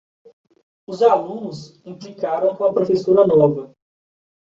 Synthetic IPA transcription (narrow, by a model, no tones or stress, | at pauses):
ʊzalũnʊs | ĩplikaɾɐ̃w̃kõɐpɾofesoɾɐnɔvɐ